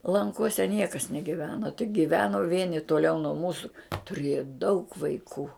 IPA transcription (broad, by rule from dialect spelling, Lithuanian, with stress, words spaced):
lˠɐŋˈkuɔsʲɛ ˈnʲiɛkɐs nʲɛɡʲɪˈʋʲæːnoː tʲɪk ɡʲɪˈʋʲæːnoː ˈʋʲiɛnʲɪ tuɔˈlʲɛʊ nuɔ ˈmuːsʊ tʊˈrʲiɛjɛ dɐʊk ʋɐɪˈkuː